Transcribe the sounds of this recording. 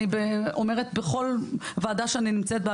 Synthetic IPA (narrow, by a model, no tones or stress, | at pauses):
ibeomeʁet̪beχo̞lvaːdaʃeaninimt͡set̪̚bea